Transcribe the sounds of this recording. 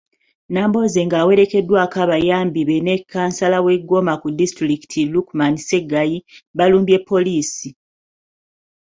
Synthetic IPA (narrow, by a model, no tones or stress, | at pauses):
naːmbo̞ze̞ŋɡaːwe̞ɾe̞ke̞dːwakaβajaːmbiβe̞ne̞kʰːaːnsalawe̞ɡo̞makudistɾiki̥tʰilukmanise̞ɡajiβaluːmbje̞pːo̞liːsi